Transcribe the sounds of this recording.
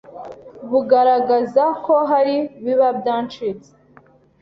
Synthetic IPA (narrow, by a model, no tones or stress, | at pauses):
βuɡaɾaɡazakʰoɦaɾiβiβabdaːnt͡ʃit͡se̥